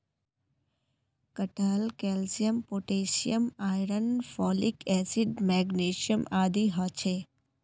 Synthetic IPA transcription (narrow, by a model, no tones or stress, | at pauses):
kəʈaːlkeːlsijəmpoːʈeːsijəmaːjɾənfɔːlikɛːsiɖmɛːɡneːʃiəmaːd̪iɦɔt͡ʃʰeː